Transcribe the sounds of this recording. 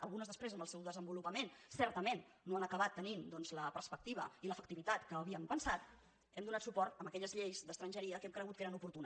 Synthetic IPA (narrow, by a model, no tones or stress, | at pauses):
ə̰lˠɣunəzðəspɾezəmbəlˠsɛwðəzəmbulupəmensɛɾt̪əmenːoanəkəat̪ːənind̪ɔnzləpəɾspək̚t̪iβə̰iləfəkt̪iβit̪at̪kəːβiəmpənsat̪̚ | ɛmd̪unat̪supɔɾt̪əmbəkɛʎəzʎejzd̪əst̪ɾənʲʒəɾiəkɛmkɾəɣut̪keɾənupuɾt̪unə